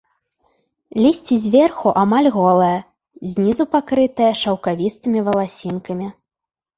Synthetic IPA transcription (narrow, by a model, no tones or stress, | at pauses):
lʲisʲt͡sʲizʲvʲɛrxuʔamalʲɣɔlˠɐjɐ | zʲnʲizupakɾɨt̪ɐjɐʂɐwkavʲist̪ɨmʲivɐlˠasʲinkɐmʲi